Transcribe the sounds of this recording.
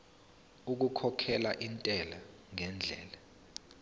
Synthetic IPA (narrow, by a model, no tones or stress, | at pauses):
uk̬ukʰɔkʰɛlaʔintʼɛla | ŋɛnd͡ɮʱɛ̰ːla